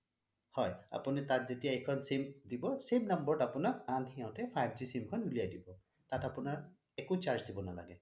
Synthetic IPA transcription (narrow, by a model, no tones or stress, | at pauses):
hɔja̰punitatzetijaɛkʰɔnsimdibɔsimnambɔɹɔtapʊnak̚anxiãʊtɛpʰajb̚zisimkʰɔnulijajdibɔ | tatapunaɹ | ɛkut͡ʃaɹzdibɔnala̰ɡɛ